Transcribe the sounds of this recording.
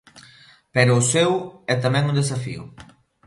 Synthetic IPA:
peɾoːsɛwɛt̪amɛ̃ŋund̪esafḭʊ̰

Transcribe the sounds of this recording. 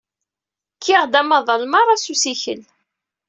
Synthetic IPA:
kʰːiʁd̪æmɑðˤəlmɑɾˤɑsusiçə̰l

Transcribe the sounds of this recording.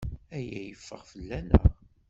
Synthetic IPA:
æjæjəfːəʁfəlːænæ̰

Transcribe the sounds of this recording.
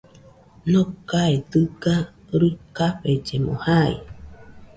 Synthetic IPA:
nõkaed̪ɨɡa | ɾukaɸed͡ʒemo̰haḭ

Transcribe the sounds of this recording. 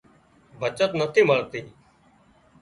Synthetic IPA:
bʱət͡ʃət̪nət̪ʰiːməɭt̪iː

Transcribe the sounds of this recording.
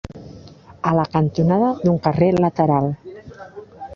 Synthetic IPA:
ələkənt̪unaðəðuŋkərelət̪əɾalˠ

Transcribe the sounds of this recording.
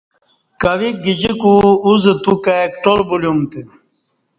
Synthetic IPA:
kɐʋik̚ɡid͡ʑikuuzet̪ukakʈolbuljumt̪e

